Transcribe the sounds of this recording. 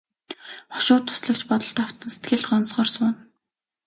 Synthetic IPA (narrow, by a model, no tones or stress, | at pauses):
χɔ̥ʃʊːt̪ʰːʊ̥sɮə̆k̚t͡ɕpɔt̪ɞ̆ɬt̪aw̥t̪ə̆nse̥t̪ɡɘ̆ɮχɔnsχɔːrsʊːn